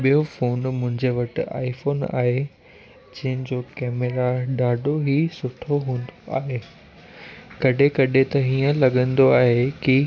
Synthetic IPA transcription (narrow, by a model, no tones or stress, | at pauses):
ɓijofoːnmʊ̃ɦɪ̃ɲd͡ʑeʋɐʈɪa̰ːifoːna̰ːɦe | d͡ʑɐ̃ɦɪ̃d͡ʑoːkɛːmeɾaɗaːɖʱoɦisʊʈʰoɦũːnd̪oa̰ːɦeː | kɐɗekɐɗet̪ɐɦiːə̃lɐɡə̃nd̪oaːɦeki